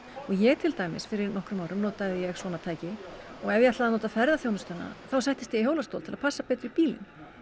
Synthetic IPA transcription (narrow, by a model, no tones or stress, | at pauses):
ɔɣjɛɣt̪ʰɪlt̪aːjmɪ̰sfɪɾɪɾnɔhkɾʏmawɾʏmnoːt̪aðɪjɛɣsvɔːnat̪ʰaːjcɪɔɣɛvjat̪laðanoːt̪afɛɾðaθjownʏst̪anːa̰θaws̬ajht̪ɪst̪jɛhoːwlast̪o̰wlt̪ʰɪlað̥pʰasːapɛːt̪ɾɪipiːlɪ̰n